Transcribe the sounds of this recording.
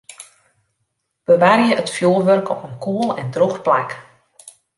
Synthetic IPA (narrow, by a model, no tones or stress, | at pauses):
b̥əʋarjəʔətfjoːlʋørkʰɔpənkʰuəlˠɛndroxplak